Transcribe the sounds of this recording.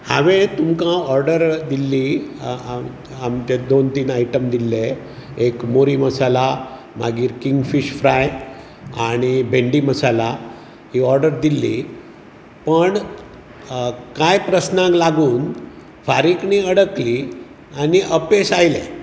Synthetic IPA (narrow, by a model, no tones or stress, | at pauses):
haʋet̪umkãɔɾɖəɾd̪ilːi | amt̪ed̪ont̪iːnajʈəmd̪ilːe | ekmoɾiməsala | ma̰ɡiːɾkiŋɡfiɕfɾaj | aɽ̃ibʱeɳɖiːməsala | hiːɔɾɖəɾd̪ilːiː | pəɳ | kajpɾəsnãklaɡuːn | faɾikniːəɽəkli | aniʔəpesajlḛ